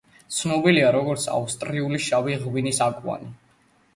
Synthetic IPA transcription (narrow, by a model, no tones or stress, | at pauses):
t̪sʰnɔbiliaɾɔɡɔɾt̪sʰa̰ust̪ʼɾiuliʃaviʁwinisakʼwa̰ni